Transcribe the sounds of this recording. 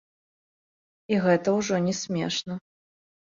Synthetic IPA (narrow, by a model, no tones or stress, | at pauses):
iɣɛt̪ɐwʐɔnʲɛsʲmʲɛʂnɐ